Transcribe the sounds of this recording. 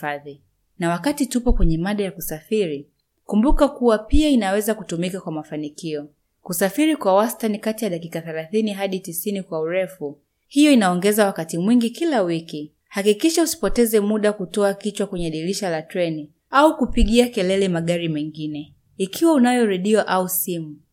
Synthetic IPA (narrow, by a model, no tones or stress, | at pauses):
aði | nawakatitupɔkwɛɲɛmaɗajakusafiɾi | kumbukakuwapiainawɛzakutumikakwamafanikiɔ | kusafiɾikwawastanikatijaɗakikaθɛlaθiniɦaɗitisinikwauɾɛfu | hijɔinaɔŋɡɛzawakatimwiŋɡikilawiki | hakikiʃausi̥pɔtɛzɛmuɗakutɔakit͡ʃwakwɛɲɛaɗiliʃalatɾɛni | aukupiɠiakɛlɛlɛmaɠaɾimɛŋɡinɛ | ikʰiwaunajɔɾɛɗiɔʔausimu